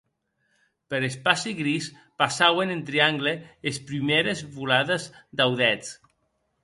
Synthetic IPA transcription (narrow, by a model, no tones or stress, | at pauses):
peɾespasiɣɾis | pasawenent̪ɾiaŋɡleespɾimeɾezβulaðezd̪awðɛt͡s